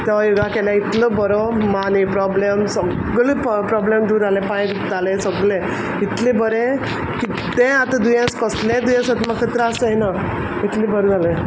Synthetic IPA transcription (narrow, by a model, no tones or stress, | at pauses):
t̪aʋajuɡakɛlãit̪lɔbəɾɔmanipɾɔblemsə | ɡleppɾɔblemd̪uɾalɛ̃pãj̃ | t̪alẽsəɡlẽ | it̪lẽbəɾẽ | ki | t̪ẽat̪ãd̪ujãskəslẽd̪ujãsat̪makʰət̪ɾaasəina | it̪lĩbəɾd͡zʱalẽ